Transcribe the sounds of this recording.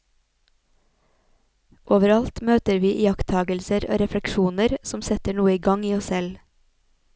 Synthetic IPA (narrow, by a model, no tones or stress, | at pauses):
ʔoːʋəɾɑlt̪møːt̪əɾʋiːʔiːjɑkt̪ʰɑːɡəlsəɾo̰ːɾɛflɛkʃuːnəɾsɔmsɛt̪əɳuːəiːɡɑŋiːɔssɛl